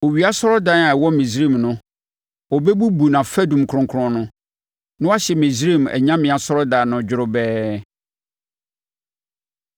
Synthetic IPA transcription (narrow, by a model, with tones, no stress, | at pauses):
o˨ɥi˨a˦sɔ˦ɾɔ˦da˦na˨ɛ˨wɔ˦mĩ˨sɾi˦˨mnʊ̃˦ | ɔ˨bɛ˦bu˦bu˨nã˨fæ˦dũ˨m˨kʰɾʊ̃˨ŋkʰʊ˦ɾʊ̃˦nʊ̃˦ | nʊ̃˦a˦ɕɛ˨mĩ˨zɾi˦˨m˨ɛ̰˨ɲã˦mɪ̃˨a˨sɔ˦ɾɔ˦da˨nʊ̃˦d͡ʑᶣʊ˦ɾʊ˦bɛː˦